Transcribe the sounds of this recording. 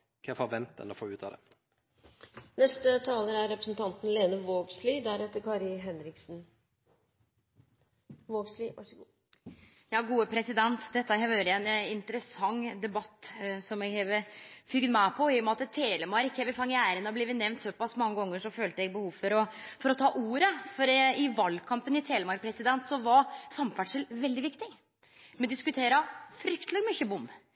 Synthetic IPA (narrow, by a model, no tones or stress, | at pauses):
kʰɛfɔʋɛnt̪̚ːɛ̰nɔfo̰ːʉːt̪ɑ̰d̪ɛ̰ | nɛst̪ət̪ʰɑːləɾæɾɾɛpɾəsnt̪ʰɑnt̪n̩leːnəʋoːɡsliːd̪æɾɛt̪ːəɾkʰɑɾɪɦɛnɾɪksn̩ | ʋoːɡsliɑ̰ʂɡ | jɑːɡuːəpʰɾɛsɪd̪ɛnt̪d̪ɛt̪ːəhɛʋøɾɛnɪnt̪əɾəsɑŋːd̪ɛbɑt̪ːsɔmɛɡheːʋəfʏɡnmæpʰɔɪjɔmɛɑt̪ːt̪ʰeːləmɑɾɪkːhɛːʋəfɑŋːɪæːɾənɔblɛːʋənɛʋnt̪sɔpɑsmɑŋːəɡɔŋːəʂɔføːlt̪əɛɡ̚bəhuːʋfɔɾɔfɔɾɔt̪ʰɑːʔuːɾəfɔɾɪʋɑlkʰɑmpənɪt̪ʰeːləmɑɾpʰɾɛsɪd̪ɛnt̪sɔʋɑɾsɑmfæʈʂəlʋɛld̪ɪʋɪkt̪ɪ | mɛnd̪ɪskʉt̪ʰeːɾɑfɾʏkt̪lɪmʏçəbʊmː